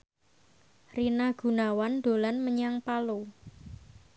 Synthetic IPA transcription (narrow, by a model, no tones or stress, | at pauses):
rinaɡ̥ṳnawand̥o̤lanməɲaŋpalo